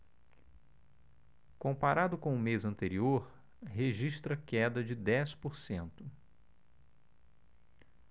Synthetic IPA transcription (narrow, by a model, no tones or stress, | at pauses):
kõmpaɾad̪ʊkõʊmezɐ̃nt̪eɾioɾ | ɦeʒiʃt̪ɾɐkɛd̪ɐd͡ʒɪd̪ɛspoɾsẽnt̪ʊ